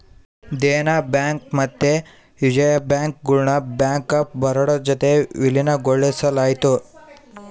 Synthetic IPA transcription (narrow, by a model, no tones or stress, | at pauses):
d̪enabaŋk̚mɐt̪ːe | jud͡ʒɐjabaŋk̚ɡuɭɳɐbaŋkɐp̚bɐɾɐɽɔd͡ʒɔt̪eʋilinɐɡoɭːesɐlajt̪u